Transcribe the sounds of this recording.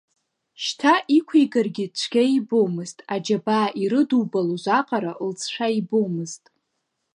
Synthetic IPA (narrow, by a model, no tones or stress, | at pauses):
ʃtʰaʔikʷʰejkʼarɡʲɪt͡ʃʷʰɡʲaibowmɨztʼad͡ʒabaːʔiɾɨduwbaluʒʷaqʼaɾalt͡sʰʂʷaibowmɨztʼ